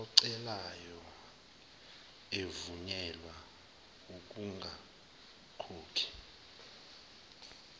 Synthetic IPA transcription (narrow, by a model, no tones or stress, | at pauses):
ɔǀɛlajɔ | evuɲɛlwa | uk̬uŋʱa | kʰoːkʰi̥